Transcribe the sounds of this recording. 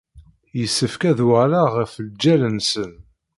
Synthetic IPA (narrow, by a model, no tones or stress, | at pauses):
jəsːəfkæðalaʁəfəld͡ʒːælənsən